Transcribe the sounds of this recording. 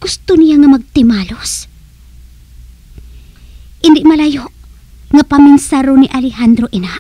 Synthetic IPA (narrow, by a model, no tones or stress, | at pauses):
ɡ̥ʊst̪onɪjaŋɐmɐɡ̚t̪ɪmaːlos | ʔɪnd̪ɪʔmɐlajoʔ | ŋɐpɐmɪnsaɾonɪʔalɪhand̪ɾoʔɪnaʔ